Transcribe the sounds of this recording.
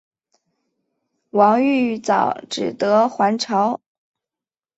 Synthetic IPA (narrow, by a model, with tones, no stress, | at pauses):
wɑ˧˥ŋy˥˩t͡sɑ˨˩ʊʈ͡ʂɻ̩˨˩t̪ɤ˧˥xwa˧˥nʈ͡ʂʰɑ˧˥ʊ